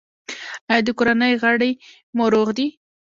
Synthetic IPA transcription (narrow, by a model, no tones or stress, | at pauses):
ad̪əkoɾanəjɣaɽəj | moɾoɣd̪i